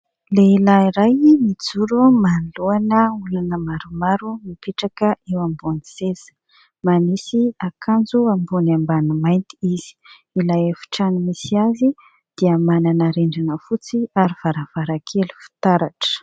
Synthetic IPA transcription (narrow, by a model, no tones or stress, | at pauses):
leilaiɾajmid͡zuɾumaluanəulanəmaɾumaɾumipeʈ͡ʂakəewambunisez̥ | manisiakʰand͡zuambunambanəmajnt̪i̥iz̥i̥ | ilajefi̥ʈ͡ʂanimisiazi | d̪̥iəmananaɾeɳɖ͡ʐinəfut͡siaɾiv̥aɾəv̥aɾakʰelu̥fi̥t̪aɾaʈ͡ʂə̥